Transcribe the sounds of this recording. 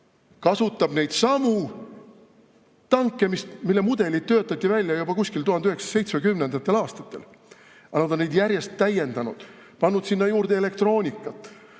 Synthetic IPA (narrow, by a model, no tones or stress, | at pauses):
kɑsut̪ːˑɑb̥ne̞jd̪̥sɑmu | t̪ɑŋkːˑe̞mist̪milːe̞mud̪̥e̞lit̪̚t̪ːøːt̪ːˑɑt̪ʲːivælʲjɑjubɑkusʲkilt̪uhɑnd̪yheksɑ̥se̞jt̪smekymne̞nd̪̥ɑt̪ːe̞lɑːst̪ɑ̥t̪ːˑe̞̰l | ɑnɑd̪onːed̪jæɾje̞st̪ːæje̞nd̪ɑnud̪̥ | pɑnːud̪̥sinːɑjuːrd̪eele̞kt̪ro̞ːnʲikːˑɑt̪ːˑ